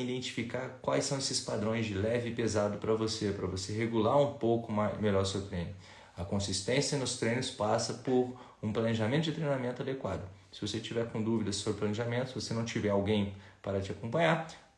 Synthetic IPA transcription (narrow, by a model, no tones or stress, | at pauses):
id̪ẽnt͡ʃi̥fikaɾkwajsːɐ̃w̃esɪspad̪ɾõj̃zd͡ʒɪlɛvɪpezad̪ʊpɾɐvosepɾɐvoseɦeɡulaɾũpowkʊmameʎɔɾsewt̪ɾẽj̃nʊ | ɐkõsist̪ẽsjɐnʊst̪ɾẽjnʊspasɐpʊɾ | ũplɐneʒamẽnt̪ʊd͡ʒɪt̪ɾejnamẽnt̪ʊad̪ekwa̰d̪ʊ | sɪvoset͡ʃivɛɾkõd̪uvid̪ɐsobɾɪplɐneʒamẽnt̪ʊsvosenɐ̃w̃t͡ʃivɛɾawɡẽj̃paɾɐt͡ʃɪakõmpɐ̃ɲaɾ